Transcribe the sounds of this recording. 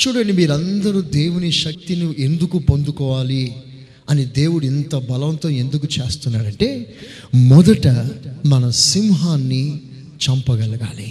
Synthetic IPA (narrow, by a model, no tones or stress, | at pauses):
t͡ʃuːɽɐɳɖimiːɾɐnd̪ɐɾud̪e̞ːwuniʃɐk̚t̪inuʔe̞nd̪ukupo̞nd̪ukɔːʋaːli | ɐnid̪e̞ːwuɽuint̪ɐbɐlɐʋɐnt̪oːe̞nd̪ukut͡ʃe̞ːst̪unːaːɾɐɳʈe̞ː | mɔd̪ɐʈɐmɐnɐsimɦaːnːi | t͡ʃɐmpɐɡɐlɐɡa̰ːli